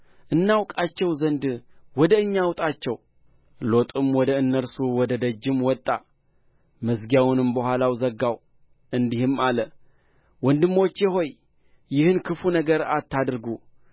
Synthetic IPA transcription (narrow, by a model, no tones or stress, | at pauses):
ʔɨnːawkʼat͡ʃːɛwzənd̪wɔd̪əɨɲːawt̪ʼat͡ʃːɛw | lo̞t̪ʼɨmwɔd̪əɨnːəɾsuwɔd̪əd̪əd͡ʒːɪmwɔt̪ʼːa | mɨzɡijawnɨmbəhʷalawzəɡːaw | ʔɨnd̪ihɨmalə | wɔnd̪ɨmːot͡ʃːjɛɦo̞j | jɪhɨnkʰɨfunəɡəɾa̰t̪ːad̪ɾɡu